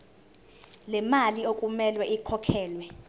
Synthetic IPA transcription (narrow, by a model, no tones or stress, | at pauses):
lɛmaliokʼumɛlwɛʔikʰɔkʰɛːlwɛ